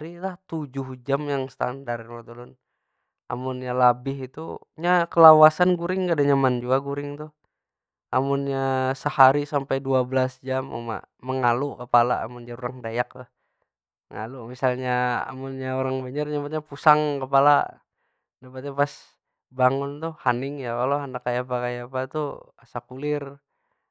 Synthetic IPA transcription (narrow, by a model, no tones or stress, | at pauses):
ɾilaht̪ud͡ʒʊhd͡ʒamjaŋst̪a̰ndaɾɛŋwat̪ulʊn | a̰mʊnjalabɪɦit̪ṵ | ɲakəlawasanɡuɾɪŋkadaɲamand͡ʒuaɡuɾɪŋt̪ʊh | amʊnɲasəhaɾisampajduabəlasd͡ʒama̰ma̰ːəŋalukəpala̰a̰mʊnd͡ʒaɾuɾaŋdajak̚ah | mə̰ŋa̰lumisalɲaa̰mʊnɲaoɾaŋbəɲərɲamat̪̚ɲapusaŋkəpala̰ | dapat̪̚ɲapas | baŋʊnt̪ʊhhanɪŋjakaloɦandakajapakajapat̪uasakulɪr